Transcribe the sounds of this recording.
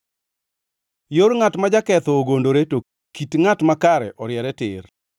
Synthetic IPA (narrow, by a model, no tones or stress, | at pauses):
joɾŋatmad͡ʒakɛt̪ɔːɡondoɾeto | kitŋatmakaɾɛ̰ʔɔɾjɛɾɛtɪr